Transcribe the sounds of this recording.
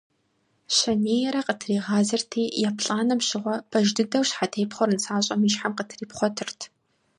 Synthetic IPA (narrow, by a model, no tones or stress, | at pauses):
ɕɐneːjɛɾɐqətʰriːʁɑːzɐrtʰiːjaːpʰɬʼaːnɐmʃɪʁʷɔpʰɐʒdɨdɐwɕħatʰeːpχʷɔɾɨnsʰaːɕʼɐmɨʃħamqətʰriːpχʷɔtʰɨrtʰ